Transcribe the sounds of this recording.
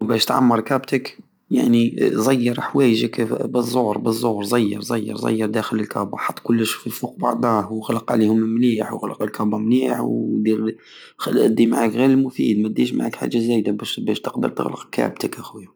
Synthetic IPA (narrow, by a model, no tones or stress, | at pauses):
bæʃt̪ʕa̰mːɑɾˤkæbt̪ək | ja̰ʕnizˤɑjːɑɾˤħwæjəʒəkbəzˤːohɾˤbəzˤːohɾˤzˤɑjːɑ̰ɾˤzˤɑjːɑ̰ɾˤzˤɑ̰jːɑɾˤd̪æxələlkʰæbaħɑt̪ˤːkʊlːəʃu̥fifuq̚bɑ̰ʕd̪ˤɑhwɣləqʕlihʊmmniħwɣləqəlkæbamniħwd̪iɾ | xlʔæd̪ːimaʕakɣiɾəlmʊfḭd̪mæd̪iʃma̰ʕa̰kħa̰ʒːazæjd̪abæʃbæʃt̪əqd̪ə̰ɾˤt̪ə̰ɣlə̰qkæ̰b̚t̪əkʔæxwi